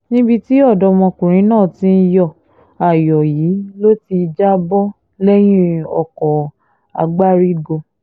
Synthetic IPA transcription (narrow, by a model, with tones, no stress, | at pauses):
nĩ˦bi˧ti˦ɔ˦˨dɔ˧mɔ̃˧kũ˨ɾ̃ĩ˨˦nãː˦˨tĩ˦n̩˧˦jɔ˦˨ | a˨jɔ˨ji˨˦lo˦ti˧d͡ʒa˦bɔ˦ | lɛ˦j̃ĩ˦ɔ̰˨kɔ˨ | a̰˨˧ɡ͡ba˦ɾi˦ɡo˧